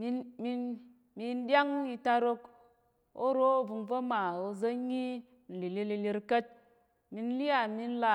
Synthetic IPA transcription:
mi˧nmi˧n | mi˧n˦dʲa˦ŋ˦i˧ta˧ɾo˧k | o̰˦ɾo˦o˦vu˨˧nvə˦ma˨o˧zə˦ɲi˦ | n̩˨li˨li˧li˧li˧ɾkə˦t̚ | mi˧n˦li˦ja˦˨mi˧n̩˦la˨

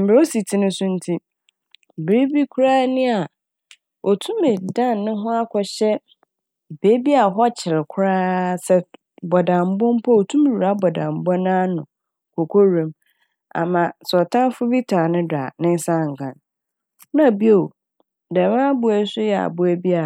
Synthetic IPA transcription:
m̩˨bo˦si˨tʰi˨nʊ̃˦sʊ̃˦n̩˦tʰi˦ | bɾi˦bi˦kʰʊ˦ɾaː˦nĩ˦a˨ | o˨tʰũ˦mɪ̃˨dã˦˨n˨nʊ̃˦ɦʊ̃˦a˦kʰɔ˨ɕɛ˦ | be˦bi˦a˨ɦɔ˦t͡ɕʰɪ˨ɾɪ˨kʷʰʊ˦ɾaː˦sɛ˦ | bɔ˨dã˨m˨bɔ̃˦m˦pʰɔ˦o˨tʰũ˦m˨wu˨ɾa˨˦bɔ˨dã˨m˨bɔ̃˦nãː˦nʊ̃˨ | kʰo˨kʰo˦ɾẽ˨m | a̰˨mã˨sɔ˨tʰã˦n˦fʊ˦bi˦tʰa˨nʊ̃˦da̰˨nɪ̃˦n˦sã˦˨ŋ̩˨kʰã˨n | nã˦˨bi˦o˨ | dɛ˨mã˦bʊ˨ɛ˦sʊ˦jɛ˨a̰˨bʊ˦æ˦bi˦a˨

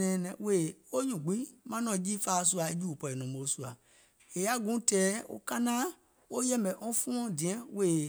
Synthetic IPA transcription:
ɛ̃˨nɛ̃˨we˨o˦ɲũ˨ɡ͡bi˦mã˦nɔ̃˨˦d͡ʒi˦fa˦˨s̬u˦a˨e˦d͡ʒu˦u˨pɔ˨ɛ˨nɔ̃˨mo˨˦su˦a˨ | e˨ja˦ɡũ˨˦tɛː˨˦o̰˦kã˦nãː˦ | wo˦jɛ˦mɛ˨ʔɔ̃˦fũ˦ɔ̃˦dĩ˨ɛ̃˦we˨

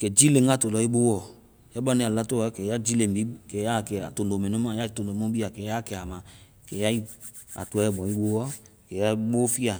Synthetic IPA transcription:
kɛ˨d͡ʒi˦lẽ˨ŋɡa˦˨to˨lɔ˨˦i˦ɓo˦wɔ˦˨ | ja˦ba˦nĩ˧˨a˨la˦to˦ɔ˨˦kɛ˨ja˦d͡ʒi˦lẽ˨bi˦kɛ˨ja˦˨kɛ˨a̰˨to˨ndo˨mɛ̃˨nõ˦mã˨ja˦i˦to˨ndo˨mõ˦bi˦a˨kɛ˨ja˦˨kɛ˨a˨mã˨ | kɛ˨ja˦i˦ | a̰˨tu˨˦ɛ˦ɛ˦˨bɔ̃˨i˦ɓo˦wɔ˦kɛ˨ja˦i˦ɓo˦fi˦a˨

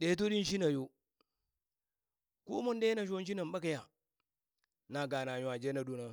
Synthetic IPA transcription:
ɗe˨˦t̬o˦ɗi˦n˦ʃi˦na˨jo˦ | ku˦ma˦n˦de˦na˨ʃ̬o˦n˦ʃi˦na˨mɓa˦ka˨ja˨ | na˨ɡa˨na˨ɲ˨a˨d͡ʒe˦na˨ɗu˦na˦

